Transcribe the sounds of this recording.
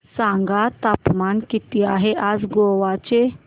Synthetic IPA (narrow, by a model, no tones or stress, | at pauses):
sãŋɡat̪apmankit̪iaɦeʔad͡zɡoʋat͡ɕe